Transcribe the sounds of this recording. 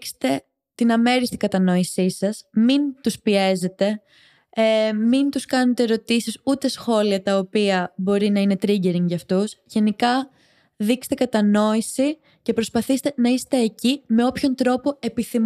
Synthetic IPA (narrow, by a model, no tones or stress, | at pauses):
kst̪e̞ | t̪inɐme̞ɾist̪iŋɡɐt̪ɐnoisisɐsmint̪uspie̞ze̞t̪e̞ | mint̪uskɐnet̪e̞ɾo̞t̪isisut̪e̞sxo̞liɐt̪ɐopiɐbo̞ɾinɐine̞t̪ɾiɲɟe̞ɾiŋʝɐft̪usʝe̞nikɐ | ðikst̪e̞kɐt̪ɐno̞isi | ce̞pɾo̞spɐθist̪e̞nɐist̪e̞ːcime̞o̞pço̞nt̪ɾo̞po̞e̞piθim